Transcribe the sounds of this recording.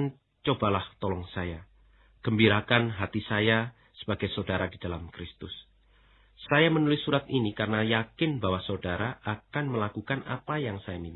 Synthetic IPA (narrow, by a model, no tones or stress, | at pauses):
n | t͡ʃob̥alaht̪olɔŋsaja | ɡ̥əmbiɾakanɦat̪isaja | sə̥b̥aɡ̥ajsodaɾadid̥alamkɾɪst̪ʊs | sajamənulɪsːuɾat̪̚inikaɾənajakɪnbawasodaɾaʔakanməlakukanʔa̰pajaŋsajamin